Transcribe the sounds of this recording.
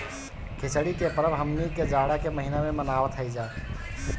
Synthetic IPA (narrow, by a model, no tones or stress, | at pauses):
kʰɪsəɽikepəɾəbɦəmniked͡ʒaːɽakeməɦinamẽmənaːʋət̪ɦəid͡ʒaː